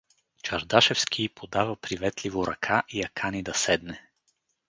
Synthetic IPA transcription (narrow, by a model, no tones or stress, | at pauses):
t͡ʃɐɾd̪aʃɛfskʰʲipʰod̪avəpɾivɛt̪livoɾʔɐ̰kʰaʔijɐkʰanid̪ɐsɛd̪nɛ